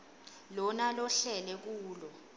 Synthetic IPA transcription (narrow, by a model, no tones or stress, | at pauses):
lɔnalɔɬɛlɛk̬uːlɔ